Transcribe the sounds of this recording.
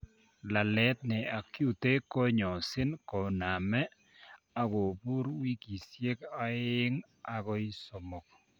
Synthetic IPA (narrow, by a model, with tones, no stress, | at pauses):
la˨lɛ˦t̪̚nɪ˨a˨kju˨te˦kɔ˦ɲɔ˨sɪ˦nkɔ˨na˨mɛ˦ | a˦ɡo˨bu˦ɾwi˦ki˨sje˦ka˦ɪ˦ŋ | a˨ɡɔ˦i˦sɔ˨mɔ˨k̚